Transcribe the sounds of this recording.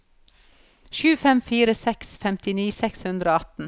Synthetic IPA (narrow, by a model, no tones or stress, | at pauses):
ʃʉːfɛmfiːɾəsɛksfɛmt̪ɪniːsɛkshʉnd̪ɾəoːɑt̪n̩